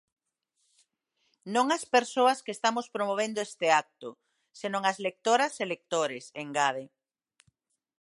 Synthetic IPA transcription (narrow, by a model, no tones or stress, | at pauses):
nõŋɐspeɾsoɐskest̪amospɾomoβ̞end̪oest̪eak̚t̪ʊ | senõŋɐzlek̚t̪oɾɐselek̚t̪oɾɪseŋɡað̞e